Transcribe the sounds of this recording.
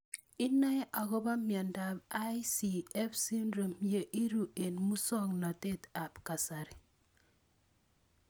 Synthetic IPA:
ɪ˦na˦ʔa˨kɔ˦ba˦mja˨nda˨ba˦jsi˨ɛ˦fsi˦ndɾo˨mje˦ʔi˦ɾu˨ʔe˨nmu˦sɔ˦ŋna˨te˦˨ta˨pka˨sa˨ɾi˨

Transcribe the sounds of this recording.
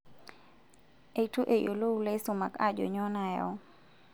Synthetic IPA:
e˨tu˦ʔe˨jo˨lo˦u˦le˦su˨ma̰˨ka˦d͡ʒɔ̰˨ɲɔ˦na˨jɔ̰˦

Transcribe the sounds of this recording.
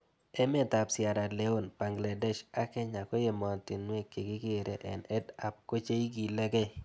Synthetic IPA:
ɛ˦mɛ˦ta˨psɪ˨a˨ɾa˨le˨o˦nb̥a˨ŋɡla˨dɛ˦ʃa˦kɛ˦ɲa˨ko˦je˨mɔ˨ntɪ˨nwe˦ke˨kɪ˦ɡe˦˨ɾʔe˨ʔɛ˨nɛ˦da˨p̚ko˦t͡ʃe˦i˦ɡi˨lɛ˦ɡɛ˦

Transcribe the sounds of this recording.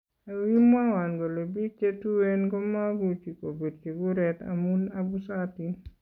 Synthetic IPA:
a˨wi˦ma˦wa˨nɡo˨lo˨bi˦k̚t͡ʃe˦tu˦we˦nɡɔ˦ma˦ɡu˦t͡ʃi˨ko˨be˨d̚ke˨ɡu˦ɾɛt̪a̰munabu˦sati˨

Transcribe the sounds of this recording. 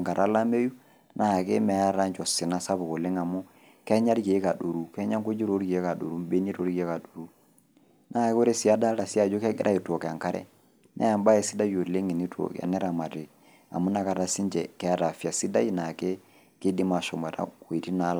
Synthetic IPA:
ŋka˨ɾa˦la˦me˦ju˦ | nʔa˦˨kḛ˦mɛ˨a˦ɾa˦nt͡ʃɔ˨sɪ˨na˦sa˦bo˨ko˨le˦ŋa˨mu˦ | kɛ˦ɲa˦ɾke˨˦ka˨do˨ɾu˦kɛ˦ɲa˦ŋko˦d͡ʒi˦ɾo˦ɾki˨e˦ka˨do̰˨ɾu˦be˦ni˦ɾo˦ɾki˨ɛ˦ka˨do˨ɾu˦ | nʔa˦˨ke˦o˦ɾe˦si˦a˦da˦ɾa˨si˦a˦˨d͡ʒo˦kɛ˦ɡɪ̰˦ɾʔa˦i˨to˨kɛ˨a˨ŋka˦ɾʔɛ̰˦ | nʔɛ̰˦a˨mba˦ɛ˨si˦da˦jo˨le˦ŋi˨ni˦tʰo̰˨ka̰˨nɛ˦ɾa˨ma˨te˨ | a̰˨mu˦na˨ka˨ta˨si˦ɲd͡ʒɛ˨kɛ˦a˦ta˨fi˨a˨si˦da˦ji˦na˨ke˦ | kɪ˦di˦ma˨sɔ˨mɛ˨ta̰˦ko˨i˨ti˦na˦la˦˨

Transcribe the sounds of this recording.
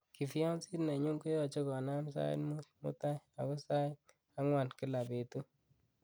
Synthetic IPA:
ki˨fi˦ɔ˦nsi˦tne˨ɲu˦ŋku˦jɔ˨t͡ʃe˦kɔ˨na˦msa̰˦j̰nmu˦mṵ˦ta˦ja˨kɔ˦sa˦j | a˦ŋwa˨nki˦la˨be˨tu˦

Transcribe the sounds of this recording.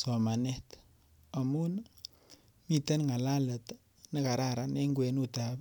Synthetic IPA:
so˨ma˨ne˦t̪ | a˨mu˦n | mi˦t̪ə˦nŋa˨la˦lə˨t̪ | nɪ˦ka˨ɾa˦ɾa˨ne˦ŋɡwe˨nu˦t̪ap

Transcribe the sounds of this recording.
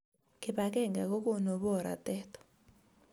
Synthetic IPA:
kɪ˨pa˨kɛ˦˨ŋɡa˨kɔ˦ko˦no˨βɔ˦˨ɾa̰˨tɛ˦tɔ̥˨

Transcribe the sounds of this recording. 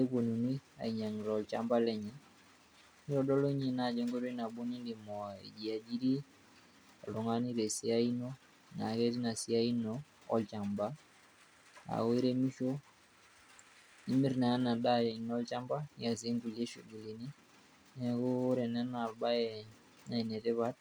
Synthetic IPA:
ɛ˦ku˨nu˨ni˦a̰˨i˨ɲa˨ŋ˨ɾɔ˨ɔ˨lt͡ʃa˦mba˦lɛ˨ɲɛ˨ | i˦ɾɔ˨ɗɔ˦lɔ˦ɲɛ˨na˨d͡ʒɛ˦ŋɡɔ˦ɾɔ˦i˦na˨ɓu˦ni˦ndi˨mɔ˨a˨ḭ˨d͡ʒi˨a˨d͡ʒi˦ɾi˦ | a˨lu˨ŋa˦ni˦ɾɛ˨si˦a˦i˦nɔ˦ | na˨kɛ˦ɾi˦na˨si˨a˦i˦nɔ˦ | ɔ̰˦lt͡ʃa˨mba˦ | a̰˨we˦ɾɛ˦mi˦ʃɔ˦ | i˦mi˦ɾna˨a˦na˨ɗa˦jɛ˨nɔ˦lt͡ʃa˦mba˦ni˦a˨zɛ˦ŋɡu˨lɛ˦ʃu˨ɡu˨li˨ni˦ | nɛ˦ku˦ɾɛ˨na˦na˨lba˦jɛ | na˦i˨nɛ˨tɛ˦βa˦t̚

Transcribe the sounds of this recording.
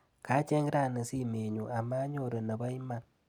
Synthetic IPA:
ka˨˦t͡ʃɛ˦ŋ˦ɾa˦˨nə˨si˦me˨ɲu˨ʔa˨ma˦ɲo˦ɾe˨nə˨ba˦jma˦˨ŋ

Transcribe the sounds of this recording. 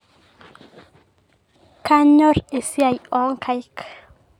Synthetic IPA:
ka˦ɲɔ˦re˨sja˨jɔ˨˦ŋkʰa˨jk

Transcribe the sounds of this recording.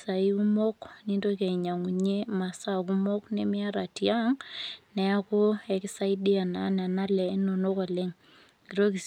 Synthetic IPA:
sa˨i˦u˦mo˦kni˦ndo˦kɛ˨i˨ɲa˨ŋu˨ɲe˦ma˨sa˦k̬u˦mɔ˦knɪ̰˦mɪ˦a˦ɾa˨tia˦ŋnɛ˨a˦kʊ˦ɛ˨kɪ˦sa˦i˦di˦a˨na˨˦n˨a˨na˦lɛ˨˦no˨no˦kɔ˨le˦ŋ | ki˨ɾo˦ki˨s

